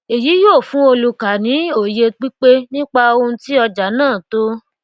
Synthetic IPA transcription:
e˨ji˨˦joː˦˨fũ˨˦o˧lu˨ka˨nĩ˨˦o˨je˧k͡pi˦k͡pe˦nĩ˦k͡pa˧o˧ũ˧ti˦ɔ˧d͡ʒa˨˦nãː˦˨to˦

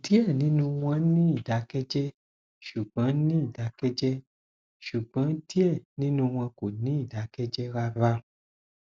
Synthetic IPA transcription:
di˦ɛ˦˨nĩ˨˦nũ˧w̃ɔ̃˧˦nĩ˦i˦˨da˨˦kɛ˦d͡ʒɛ˦ | ʃu˨ɡ͡bɔ̃˨˦nĩ˦i˦˨da˨˦kɛ˦d͡ʒɛ˦ | ʃu˨ɡ͡bã˨˦di˦ɛ˦˨nĩ˦nũ˧w̃ɔ̃˧ko˨nĩ˨˦i˦˨da˨˦kɛ˦d͡ʒɛ˦ɾa˧va˧

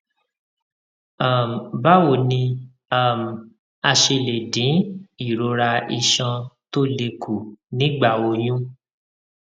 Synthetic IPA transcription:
a˨m˨ba˦wo˦˨nĩ˧ | a˦˨m˨ | a˧ʃe˧le˨dĩ˨˦i˦˨ɾo˨˧˦ɾa˧i˧ʃɔ̃˧to˦le˧ku˨nĩ˨˦ɡ͡ba˦˨wo˧j̃ũ˦

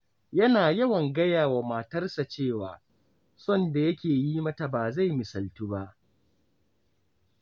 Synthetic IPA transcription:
jɐ˦naː˨jɐ˦wɐ˨ŋɡɐ˦jaː˨wa˨maː˨tɐ˦rsa˨t͡ʃeː˦˨waː˨ | sɔ˦˨nda˨jɐ˦kʲeː˨ji˦mɐ˦ta˨baː˨za˦˨jmɪ˨sɐ˨ltu˦ba˦ʔ

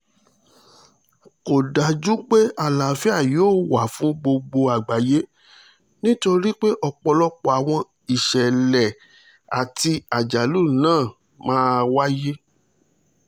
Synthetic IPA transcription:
ko˨da˨d͡ʒu˦k͡pe˦a˨la˨˦fɛ˦a˦˨joː˦˨wa˨fũ˦ɡ͡bo˧ɡ͡bo˧a˨ɡ͡ba˨je˦ | nĩ˦to˧˦ɾi˦k͡pe˦ʔɔ˧k͡pɔ˧lɔ˦k͡pɔ˨a˨w̃ɔ̃˧ | i˨ʃɛ˨lɛ˨ | a˨ti˧a˨d͡ʒa˨lu˦˨nãː˦˨ | mãː˦˧wa˦je˦

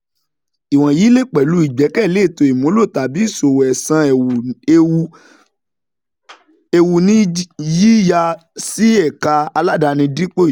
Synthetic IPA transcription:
i˨w̃ɔ̃˨jiː˨˦le˦˨k͡pɛ˨lu˨˦i˨ɡ͡bɛ˨˦kɛ˦˨le˦˨to˧i˨mũ˨˦lo˦˨ta˨bi˨˦i˦˨so˨wɛ˨sã˧˨˧ | e˧wu˧nĩ˦ji˦ja˧ | si˦ɛ˦˨ka˧a˧la˦da˧nĩ˧di˦k͡po˦˨

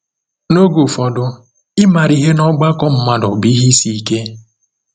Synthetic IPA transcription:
no˦ɡu˨fɔ˨dʊ˦ | ɪ˦ma˨ɾi˦ɦe˦nɔ˦ɡ͡ba˦kɔ˦m̩˦ma˦dɔ˨bi˨˦ɦi˦si˦ke˦

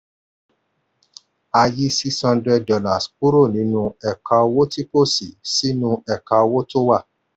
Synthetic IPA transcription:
a˧ji˦si˦shɔ̃˧ndɾɛ˧dɔ˧la˨sk͡pu˦ɾo˦˨nĩ˨˦nũ˦ɛ˨ka˧o˧wo˦ti˦ko˦˨si˨si˦nũ˦ɛ˨ka˧o˧wo˦to˦wa˦˨

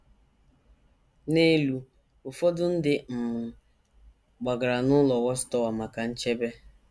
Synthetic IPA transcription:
ne˦lu˨˦ | ʊ˨fɔ˦dʊ˦n̩˦dɪ˨m̩˨mʊ˨ | ɡ͡ba˨ɡa˨ɾa˨nʊ˦lɔ˨wɔ˦stɔ˦wa˨ma˨ka˨n̩˦t͡ʃe˦be˦

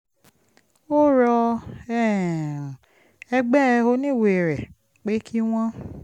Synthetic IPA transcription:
o˦ɾɔ˧ɛ˦˨ | ɛ˧ɡ͡bɛ˦˧o˧nĩ˦˨we˨ɾɛ˨ | k͡pe˦kʰi˦w̃ɔ̃˦

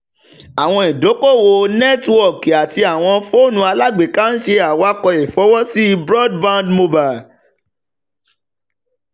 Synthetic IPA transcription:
a˨w̃ɔ̃˧i˨do˨˦ko˦˨wo˧nɛ˦twɔ˦˨ka˨ti˧a˨w̃ɔ̃˧fo˦˨nũ˧˦a˧la˦ɡ͡be˨kã˦n̩˦ʃe˧a˨wa˨˦kɔ˧jɛ˨fɔ˨˦wɔ˦si˦i˧bɾɔ˦d̚bã˦ndmo˧ba˨

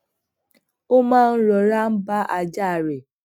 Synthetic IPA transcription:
o˦mãː˦˨n̩˦ɾɔ˨ɾa˦m̩˦ba˦ʔa˨d͡ʒa˦˨ɾe˨

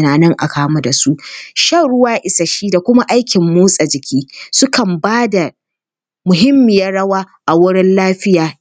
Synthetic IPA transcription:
naː˨nɐ˦ŋʔa̰˨kaː˦ma˦da˨su˦ʔʃɐ˦˨ɽʊ˦waː˦ʔɪ˨sa˨ʃiː˦da˨kʷʊ˦ma˦ʔa˦jkʲɪ˨mːoː˦sʼa˨d͡ʒɪ˨kʲʰiː˦sʊ˦kɐ˨mbaː˦da˨ | mʊ˨ɦɪ˦mːɪ˨jɐ˦ɽɐ˦waː˦ʔa˨wʊ˦ɽɪ˦nlaː˦ɸɪ˦jaː˨

